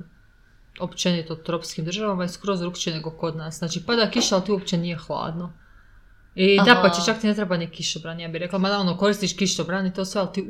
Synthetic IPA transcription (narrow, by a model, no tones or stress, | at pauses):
opt͡ʃenit̪ot̪ɾopskimd̪r̩ʒaʋamaiskɾozɾukt͡ʃieneɡoko̞d̪nasznaːt͡ʃipad̪akiʃaalˠt̪iuop̚t͡ʃenije̞xlˠa̰ːd̪no | id̪apat͡ʃet͡ʃakt̪inet̪ɾebanikiʃobɾaːnijaːbihɾe̞klˠamad̪aonoko̞ɾist̪iʃkiʃobɾaːnit̪o̞ːsʋealˠt̪iː